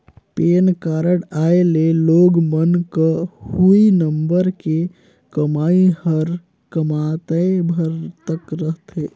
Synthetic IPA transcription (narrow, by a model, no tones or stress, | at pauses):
penkaɾəɽaeleloɡmənkəhuinəmbəɾke | kəmaihəɾ | kəmat̪əebʱəɾt̪əkɾəɦt̪ʰe